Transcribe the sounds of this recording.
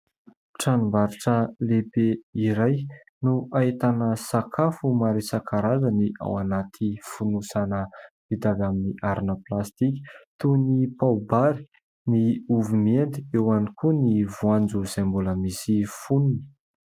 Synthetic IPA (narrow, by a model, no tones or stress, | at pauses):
ʈ͡ʂanumbaɾiʈ͡ʂəlebeiɾaj | nuʔaet̪anəsakʰafumaɾisakʰaɾazəniʔa̰wanat̪ʰifunusanə | v̥id̪avaminiʔaɾinəplast̪iki̥t̪unipaubaɾi̥ | niuvumend̪iewanikʰunivuand͡zuz̥ajmbuləmisifununi̥